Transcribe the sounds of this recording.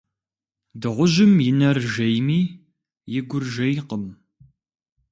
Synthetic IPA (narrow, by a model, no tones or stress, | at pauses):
dɨʁʷʊʒɪmjɪnɐrʒejmiː | jɪɡʷʊrʒɐjqəm